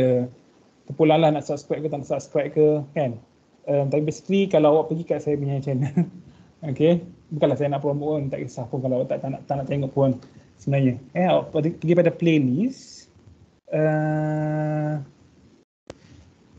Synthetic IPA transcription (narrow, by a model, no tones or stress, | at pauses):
ə | t̪əpulaŋlahnaʔsap̚skɾap̚kət̪anaʔsap̚skɾap̚kəkan | əmt̪apibist̪ɾikalawawaʔpəɡikaʔsajabəɲãt͡ʃən | okebəkalasajanaʔpɾomoʔnt̪aʔkəsahpunkalawaʔt̪aʔt̪anaʔt̪aʔnaʔt̪eŋɔʔpunsəbənaɲəanawaʔdpəɡipadaplelis | əm